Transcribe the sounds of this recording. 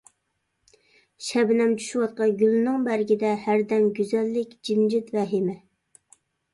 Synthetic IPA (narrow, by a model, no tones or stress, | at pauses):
ʃɛbɪnɛmt͡ʃʰy̥ʃuwɑt̪̚qɑnɡʲylːnɨŋbæɾɡʲid̪ɛhæɾd̪ɛmɡʲyzɛlːɪkʲd͡ʒimd͡ʒɪt̪vɛɦɪmɪ